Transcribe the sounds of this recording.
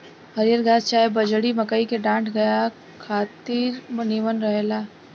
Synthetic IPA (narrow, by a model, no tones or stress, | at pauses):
hɐɾijəɾɡʱaːt̪t͡ʃaːebɐd͡ʒɽimɐkəikeɖãːʈʰɡɐja | kʰaːt̪iːɾmniʋənɾɐɦelaː